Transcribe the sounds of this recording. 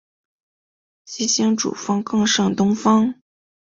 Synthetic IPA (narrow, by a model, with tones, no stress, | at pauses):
ɕi˥ɕi˥ŋʈ͡ʂṵ˨˩fɑ˥ŋkɤ˥˧ŋʂɤ˥˩ŋt̪ʊ˥ŋfɑ˥ŋ